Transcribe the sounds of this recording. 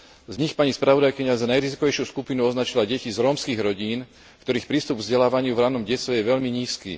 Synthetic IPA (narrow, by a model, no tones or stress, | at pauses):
zɲixpaɲispɾaʋɔd̪ajkiɲazanajɾizikɔʋɛjʃjuskupinuɔznat͡ʃilaɟɛcizɾɔːmskiɣɾɔɟiːn | kt̪ɔɾiːxpɾiːst̪ubɡvzɟɛlaːʋaɲɪuvɾanɔmɟɛsʋɛjɛʋɛʎmiɲiːskḭː